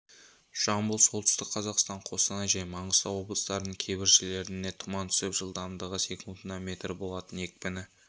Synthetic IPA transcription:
ʃɑmbəlˠso̞lˠt̪ʏ̥st̪ɪk̚qʰɑzɑqst̪ɑɴqʰo̞sɑnɑjʒɑjmɑɴəzst̪ɑwo̞blˠəst̪ɑɾənəɴkʲʰe̞jbɪɾʒɪle̞ɾɪne̞t̪ʰʊmɑnt̪ʰʏ̥sɪpʒəlˠd̪ɑɾnd̪ɑʁəse̞kʲɪnt̪nɑme̞t̪rbo̞lˠɑt̪əne̞k̚bɪnɪ

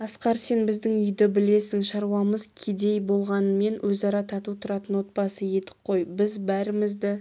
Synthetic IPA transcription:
ɑsqɑɾse̞nbɪzd̪ɪŋʏjd̪ɪbɪle̞sɪŋʃɑɾwɑməzkʲʰed̪e̞jbo̞lˠʁɑnəme̞nwʔɵzɑɾɑt̪ʰɑt̪ut̪ʰʊɾɑt̪ənwo̞t̪̚bɑsəje̞t̪ɪ̥p̚qʰo̞jbɪzbæɾɪmɪzd̪ɪ

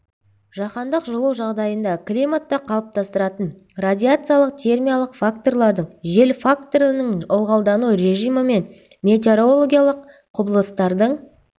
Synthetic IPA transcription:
ʒɑqɑnd̪əqʒolˠuwʒɑʁd̪ɑjənd̪ɑklʲijmat̪ːɑqʰɑlˠəp̚t̪ʰɑst̪əɾɑt̪ən | rad̪ʲiat̪sɨjalˠəq̚t̪ʲʰe̞rmijalˠəqfak̚t̪o̞rlˠɑɾd̪əɴʒe̞lfak̚t̪o̞ɾənəɴʊlˠʁɑlˠd̪ɑnuɾe̞ʒijməme̞n | mʲe̞t̪̬ʲeɾolˠoɡʲijalˠəqʰ | ʊbəlˠəst̪ɑɾd̪əɴ

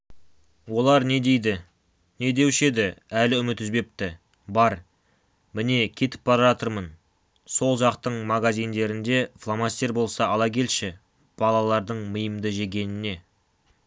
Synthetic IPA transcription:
wo̞lˠɑɾne̞d̪e̞jd̪ɪ | ne̞d̪e̞wʃe̞d̪ɪælɪʏmɪt̪ʏzbe̞p̚t̪ɪ | bɑɾ | mɪne̞kʲʰe̞t̪ɪ̥p̚bɑɾʒɑt̪əɾmən | so̞lˠʒɑqt̪əɴmaɡazijnd̪e̞ɾɪnd̪e̞flˠɑmasʲt̪e̞ɾbo̞lˠsɑɑlˠɑkʰʲe̞lʃɪ | b̥ɑlˠɑlˠɑɾd̪əɴməjəmd̪əʒe̞ɡʲe̞nɪne̞

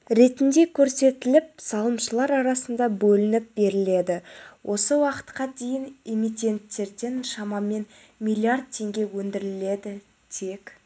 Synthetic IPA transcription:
ɾe̞t̪ɪnd̪e̞kʲʰɵɾse̞t̪ɪlɪp̚sɑlˠəmʃəlˠɑɾɑɾɑsənd̪ɑbɵlɪnɪp̚be̞ɾɪle̞d̪ɪwʔo̞səwɑqə̥t̪qɑd̪e̞jɪne̞mit̪ʲe̞nt̪ːe̞ɾd̪e̞nʃɑmɑme̞n | mʲijlʲˠiard̪̚t̪ʰe̞ŋɡʲe̞wɵnd̪ɪɾɪle̞d̪ɪ | t̪ʰe̞kʲ

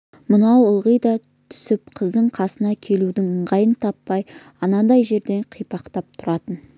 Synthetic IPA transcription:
mʊnɑwʊlˠʁəjd̪ɑ | t̪ʰʏ̥sɪpqʰəzd̪əɴqʰɑsənɑkʲʰe̞lud̪ɪŋəɴʁɑjənt̪ʰɑpːɑj | ɑnɑd̪ɑjʒe̞ɾd̪e̞ɴqʰijpɑqt̪ɑp̚t̪ʰʊɾɑt̪ən

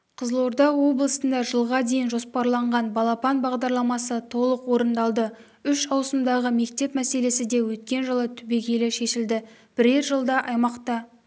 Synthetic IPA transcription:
qʰəzlˠo̞ɾd̪ɑwo̞blˠəsənd̪ɑʒəlˠʁɑd̪e̞jɪnʒo̞spɑɾlˠɑɴʁɑnbɑlˠɑpɑnbɑʁd̪ɑɾlˠɑmɑsət̪ʰo̞lˠəqwo̞ɾənd̪ɑlˠd̪ə | ʏʃɑwsəmd̪ɑʁəme̞kt̪e̞pmæse̞le̞sɪd̪e̞wɵt̪̚kʲe̞nʒəlˠət̪ʰʏbekʲʰe̞lɪʃe̞ʃɪld̪ɪ | b̥ɪɾeɾʒəlˠd̪ɑʔɑjmɑqt̪ɑ

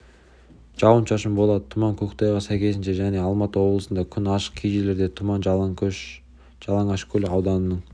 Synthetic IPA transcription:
ʒ̥ɑwənʃʰɑʃəmbo̞lˠɑd̪ət̪ʰʊmɑŋkʲʰɵkʲt̪ʰɑjʁɑsæjkʲʰe̞sɪnʃeʒæne̞ɑlˠmɑt̪əwo̞blˠəsənd̪ɑkʲʰʏnɑʃə̥q̚kʲʰijʒele̞ɾd̪e̞t̪ʰʊmɑn | ʒɑlˠɑɴɑʃkʲʰɵlɪɑwd̪ɑnənəɴ

